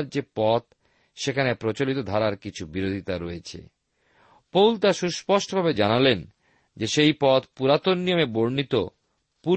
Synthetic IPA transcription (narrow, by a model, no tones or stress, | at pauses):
ɾd͡ʑepɔt̪ | ʃekʰanepɾot͡ɕolit̪od̪ʱaɾaɾkit͡ɕʰubiɾod̪ʱit̪aɾoet͡ɕʰḛ | powlt̪aʃuʃpɔʃʈobʱabed͡ʑanalen | d͡ʑeʃejpɔt̪puɾat̪onːijomeboɾnit̪o | pu